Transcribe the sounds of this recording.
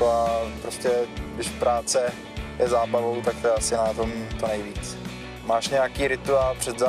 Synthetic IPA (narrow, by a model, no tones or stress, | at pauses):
oapɾoscɛɡdɪʃfpɾaːt͡sɛ | jɛzaːbavo̞wt̪ak̚t̪oɛasɪnat̪omtonɛjviːt͡s | maːʃɲɛjakiːɾɪt̪uaːlpr̥ɛd̪za